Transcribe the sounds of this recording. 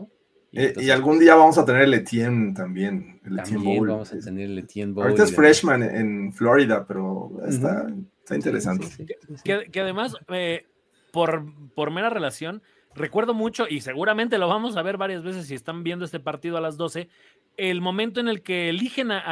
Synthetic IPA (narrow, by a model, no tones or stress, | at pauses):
eialɣund̪iaβamo̞sat̪eneɾelet̪jent̪ambje̞n | elejembowlna̰ɾaesfɾeʃmãneḛnfloɾiðape̞ɾo̰ḛst̪a̰est̪a̰ḭnt̪eɾesant̪e̥kekeaðe̞mase | po̞ɾpo̞ɾme̞ɾare̞lasjo̞n | re̞kwe̞ɾð̞o̞mut͡ʃo̞ise̞ɣuɾament̪̬e̞lo̞βamo̞s̬aβe̞ɾβaɾjazβe̞s̬es̬ːiest̪ambje̞nd̪oest̪epaɾt̪ið̞oalazðo̞se̞ | elmõ̞mẽnt̪oene̞lkeːlixe̞na